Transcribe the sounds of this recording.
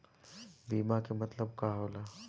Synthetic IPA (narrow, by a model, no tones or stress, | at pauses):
biːmakemɐt̪ləb̚kaːɦoːlaː